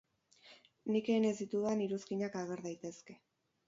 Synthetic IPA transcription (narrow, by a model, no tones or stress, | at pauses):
nike̞ːne̞zd̪it̪uðaniɾuskiɲakaɣ̞e̞ɾðajt̪e̞ske̞